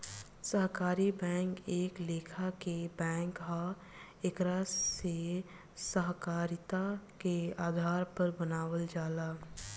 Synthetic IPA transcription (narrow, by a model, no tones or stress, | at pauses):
səɦkaːɾibɛ̃ːŋkeːkleːkʰakebɛ̃ːŋkɦa | ekɾase | səɦkaːɾɪt̪akeaːd̪ʱaːɾpəɾbənaːwəld͡ʒaːlaː